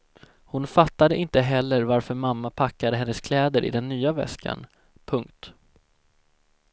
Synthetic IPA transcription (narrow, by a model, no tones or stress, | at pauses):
hʊnfat̪ːad̪əʔɪnt̪əɦɛlːəɾvaɾfœɾmamːapʰakːad̪əɦɛnːəskʰlɛːd̪əɾʔɪ̰d̪ɛnːyːavɛ̰ska̰n | pʰɵŋkt̪